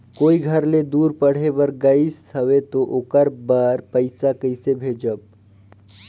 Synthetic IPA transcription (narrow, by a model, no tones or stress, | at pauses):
koːiɡʱəɾled̪uːɾpəɽ̤ebəɾɡəisɦəʋet̪oʔokəɾbəɾpəɪsakəɪsebʱeːd͡ʒəb̚